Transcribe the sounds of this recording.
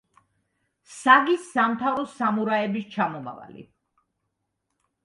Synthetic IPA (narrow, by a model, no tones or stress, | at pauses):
saɡisamt̪ʰavɾɔsamuɾaɛbist͡ʃʰamɔma̰va̰lḭ